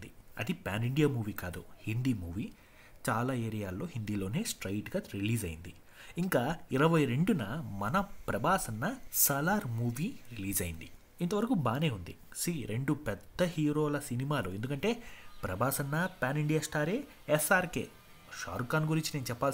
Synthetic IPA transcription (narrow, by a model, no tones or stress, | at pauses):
d̪iɐd̪ipʲaːniɳɖijaːmuːʋiːkaːd̪ṵhind̪iːmuːʋiː | t͡ʃaːlaːeːɾijaːlːo̞ːɦind̪iːlo̞ːne̞ːsʈɾɐjʈɡaːɾiliːd͡ʒɐjind̪i | iŋkaːiɾɐʋɐjɾe̞ɳɖunɐmɐnɐpɾɐbaːsɐnːɐsɐlaːɾmuːʋiːɾiliːzɐjind̪i | int̪ɐʋɐɾɐkubaːne̞ːund̪i | siːɾeɳɖupɛd̪ʱːɐɦiːɾoːlɐsinimaːlue̞nd̪ukɐɳʈe̞ːpɾɐbaːsɐnːɐpʲaːniɳɖijaːsʈaːɾe̞ː | esaːɾkḛː | ʃa̰ːɾkaːnɡuɾiɲt͡ʃineːnut͡ʃɛpːaːl